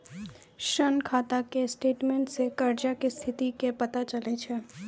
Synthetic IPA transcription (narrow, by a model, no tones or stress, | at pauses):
ʃənkʰaːt̪akesʈeːʈmẽːɳʈsekɐɾd͡ʒakist̪ʰɪt̪ikepɐt̪at͡ʃəlet͡ʃʰeː